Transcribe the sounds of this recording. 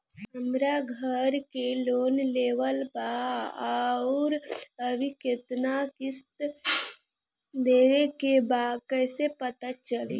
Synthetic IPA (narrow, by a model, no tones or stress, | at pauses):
əmɾaɡʱəɾkeloːnleːʋəlba | ɾəbʱikɪt̪nakɪst̪ | d̪eːʋekebakəɪsepət̪at͡ʃəlḭː